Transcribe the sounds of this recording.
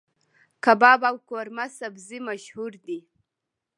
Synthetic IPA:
kabɑbawkoɾmasabzimaʃhuɾd̪i

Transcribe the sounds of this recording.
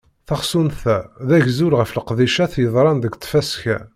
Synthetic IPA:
θɑχsunθæðæʝzuɾʁəfləqðiʃæθjəðˤɾˤɑnd̪əɡt̪ːfæsçæ̰

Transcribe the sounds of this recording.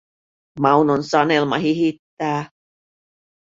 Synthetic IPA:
mɑunonsɑne̞lmɑɦiɦit̪ːæː

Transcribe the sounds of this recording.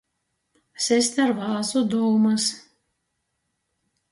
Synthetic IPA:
sʲɛsʲt̪ʲaɾvaːzud̪ɔwmas

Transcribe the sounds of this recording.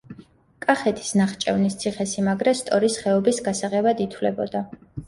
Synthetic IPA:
kʼaχɛt̪ʰi̥snaχt͡ʃʼɛvnist̪sʰiχɛsimaɡɾɛst̪ʼɔɾisχɛɔbisɡasaʁɛbad̪it̪ʰwlɛbɔ̰d̪a

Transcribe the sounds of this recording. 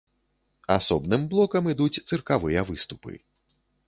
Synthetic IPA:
asɔbnɨmblˠɔkɐmid̪ut͡sʲt̪sɨrkavɨjɐvɨst̪upɨ̰

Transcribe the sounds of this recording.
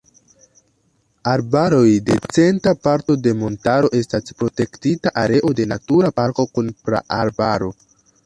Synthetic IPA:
aɾbaɾo̞jde̞t͡se̞ntapaɾto̞de̞mo̞ntaɾo̞ʔe̞staspɾo̞te̞ktitaʔaɾe̞ʔo̞de̞natuɾapaɾko̞kunpɾa̰ʔaɾbaɾo̞

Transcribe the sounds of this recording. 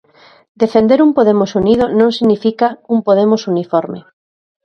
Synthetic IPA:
d̪efend̪eɾumpoðemosunið̞onõŋsiɣnifikaumpoð̞emosunifɔɾmḛ

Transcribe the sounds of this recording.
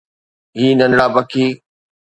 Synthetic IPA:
ɦiːnənɽaːbəkʰiː

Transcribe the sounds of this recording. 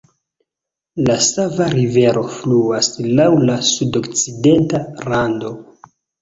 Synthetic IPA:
lasavaɾive̞ɾʔo̞fluaslawlasudokt͡side̞ntaɾando̞

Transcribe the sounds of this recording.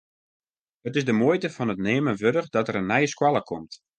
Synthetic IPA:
ətɪzdəmoəjtəfɔnətneːmənʋødəχdɔtəɾənːɛjəskwɔlˠəkʰɔmt

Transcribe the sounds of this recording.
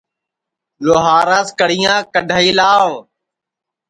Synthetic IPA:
loːɦaːɾãːskəɽ̤ijãːkəɖʱaːiːlãː

